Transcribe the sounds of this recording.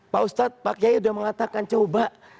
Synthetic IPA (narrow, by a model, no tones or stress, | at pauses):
paust̪at̪̚pakijaiudahməŋat̪akant͡ʃoba